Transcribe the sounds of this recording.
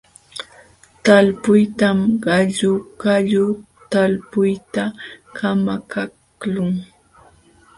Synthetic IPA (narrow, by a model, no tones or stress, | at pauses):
t̪alpʊjt̪amɢɑʎʊkaʎʊ | t̪alpʊjt̪akʰamakak | lʊŋ